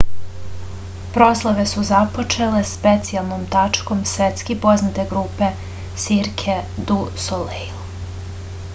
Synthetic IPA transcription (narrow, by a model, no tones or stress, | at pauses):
pɾoslˠoʋesuzapo̞t͡ʃelespet̪sialˠnomt̪at͡ʂkomsʋet̪skipo̞znat̪eɡɾuːpe̞ | siɾkʰed̪usolejl